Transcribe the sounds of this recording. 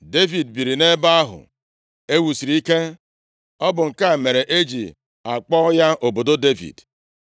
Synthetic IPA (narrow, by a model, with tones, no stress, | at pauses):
de˦vi˨dbi˨ɾi˨ne˦ba˦a˦ɦʊ̰˨ | e˦wu˨si˨ɾi˨˦i˦ke˦ | ɔ˦bʊ˨ŋ̩˨ka˦˨me˨ɾe˨ʔe˦d͡ʒḭ˨ | a˨k͡pɔ˦ja˦ʔo˨bo˨do˦de˦vḭ˨d